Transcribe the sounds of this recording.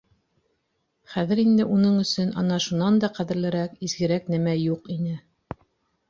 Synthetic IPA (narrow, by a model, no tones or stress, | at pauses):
χæðɘ̆ɾind̪ɘʔunɤɴɵ̆sɵnʔɑ̰nɑʃunɑnd̪ɑqæðɘ̆ɾlɘ̆ɾækizɡɘ̆ɾæknæmæjuqinɘ